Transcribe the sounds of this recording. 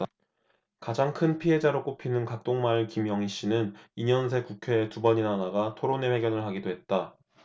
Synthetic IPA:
kad͡ʑaŋkʰɯnpʰiɦe̞d͡ʑaɾok͈opʰinɯnkak̚t͈oŋmaɭkimjʌŋiɕ͈inɯniɲʌns̬ʰe̞kukʰe̞ːtubʌɲinanaɡatʰoɾone̞ɸe̞ɡjʌnɯɭɦaɡidoɦe̞t̚t͈a

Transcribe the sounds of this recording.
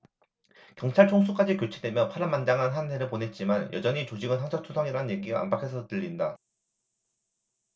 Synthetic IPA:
kjʌŋt͡ɕʰaɭt͡ɕʰoŋs̬ʰuk͈ad͡ʑikjot͡ɕʰe̞dwe̞mjʌpʰaɾamandaŋɦanɦane̞ɾɯɭpone̞t̚t͡ɕ͈imanjʔʌ̰d͡ʑʌɲit͡ɕod͡ʑiɡɯnɦaŋd͡ʑʰʌk̚tʰusʰʌŋiɾanɯnjeɡiɡaa̰mbakʰe̞sʰʌtɯʎːinda

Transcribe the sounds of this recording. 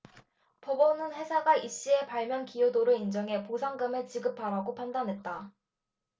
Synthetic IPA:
pʌbʌnɯnɸe̞sʰaɡaiɕ͈ie̞paɭmjʌnkijodoɾɯind͡ʑʌŋe̞posʰaŋɡɯmet͡ɕiɡɯpʰaɾaɡopʰandanɦe̞t̚t͈a

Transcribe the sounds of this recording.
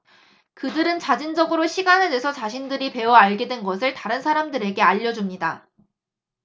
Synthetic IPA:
kɯdɯɾɯnt͡ɕad͡ʑind͡ʑʌɡɯɾoɕʰiɡanedwesʰʌt͡ɕaɕʰindɯɾipe̞wʌaɭɡe̞dwenɡʌs̬ʰɯɭtaɾɯnsʰaɾamdɯɾe̞ɡe̞aʎːʌd͡ʑumɲida

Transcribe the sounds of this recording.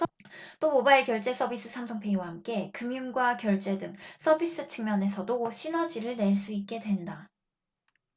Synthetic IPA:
t͈omobaiɭkjʌɭt͡ɕ͈e̞s͈ʰʌbis͈ɯsʰamsʰʌŋpʰe̞iwahamk͈e̞kɯmjunɡwakjʌɭt͡ɕ͈e̞dɯŋs͈ʰʌbis͈ɯt͡ɕʰɯŋmjʌne̞sʰʌdoɕʰinʌd͡ʑiɾɯɭne̞ɭs͈uit̚k͈e̞dwe̞nda

